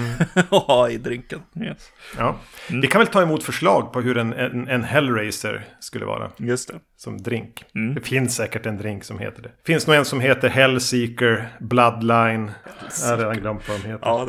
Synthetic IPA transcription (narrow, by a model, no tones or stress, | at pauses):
ɪd̪ɾɪŋkənɛɑːvɪkʰanvɛlt̪ɑːɪmuːt̪fœʂɭɑːɡ̚pʰɔɦɵɾɛnɛɛnɦɛlːɾeɪsə̰ɾskɵlːə̰ɑ̰ːɾa̰jɵst̪ɛ | sɔmd̪ɾɪŋkd̪ɛfɪnssɛːkəʈɛnd̪ɾɪŋksɔmhḛːt̪əɖɛfɪnsnuːɛnsɔmɦeːt̪əɾɦɛlːsiːkəɾblad̪laɪnæɾed̪anɡlœmpɔmheːt̪ː